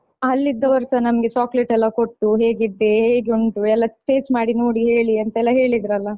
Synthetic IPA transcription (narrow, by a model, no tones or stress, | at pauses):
ɐlːid̪ːɐʋɐɾsɐnɐmɡet͡ʃaːkleʈɛlːɐkoʈːuɦe̞ːɡid̪ːe̞ɦeːɡuɳʈuɛlːɐʈeːd͡ʒmaːɽinoːɽiɦe̞ːɭiɐnt̪ɐɛlːɐɦe̞ːɭid̪ɾɐlːɐ